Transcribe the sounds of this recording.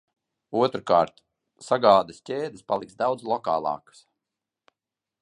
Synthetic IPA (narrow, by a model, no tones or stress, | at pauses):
uɔt̪ɾukaːɾt̪ | saɡaːd̪ɨstʲeːd̪ɨspalˠiksd̪awd̪zlˠɔka̰ːlˠɑ̰ːkə̥s